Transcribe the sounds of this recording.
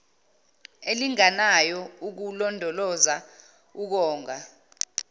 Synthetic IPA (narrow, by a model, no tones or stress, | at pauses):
eliŋanajɔuk̬ulɔndʱɔlɔza | uk̬ɔːŋʱa